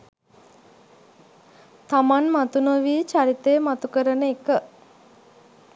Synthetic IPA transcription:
t̪amanmat̪unəʋiːt͡ʃaɾit̪eːmat̪ukəɾənəekə

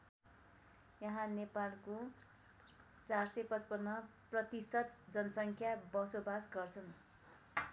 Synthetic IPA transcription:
jʌɦãnepalko | t͡sarsʌpʌt͡spʌnːʌprʌt̪isʌt̪d͡zʌnʌsʌŋkʰjabʌsobasɡʌrt͡sʰʌn

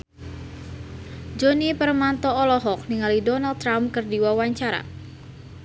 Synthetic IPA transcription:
d͡ʒonipərmant̪ɔɔlɔɦɔk̚niŋalidɔnaldt̪ːɾamkərdiwawaɲt͡ʃaɾa̰

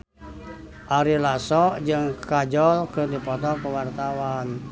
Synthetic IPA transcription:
ʔaɾilasɔʔd͡ʒəŋkad͡ʒɔlkərdipɔt̪ɔkəwart̪awan

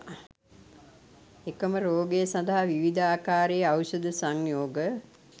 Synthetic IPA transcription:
ekəməɾoːɡejəsɐnd̪aɦaʋiʋid̪aːkaːɾejəawsɐd̪əsaŋjoːɡə

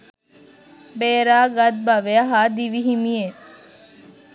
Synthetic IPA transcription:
beːɾaːɡɐd̪̚bɐʋeɐɦaːd̪iʋiɦimije

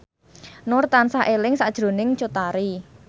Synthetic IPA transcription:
nʊrt̪ansaʔelɪŋsad̥ʒ̥ɾo̤nɪŋt͡ʃot̪aɾi

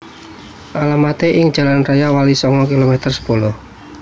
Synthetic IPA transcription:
ʔalamat̪eʔɪŋ̥d͡ʒ̥a̤lanrajawalisɔŋɔkilomɛt̪ərsə̥polʊh

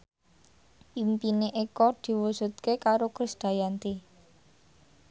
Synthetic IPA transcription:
ʔimpineʔekɔd̪̥i̤wusṳt̪̚kekaɾokɾisd̪̥ä̤jant̪i

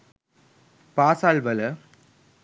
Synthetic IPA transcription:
paːsaːlʋɐlɐ

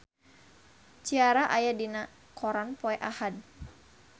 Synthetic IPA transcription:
t͡ʃiaɾaʔajadina | kʰɔɾanpɔɛʔahad̚

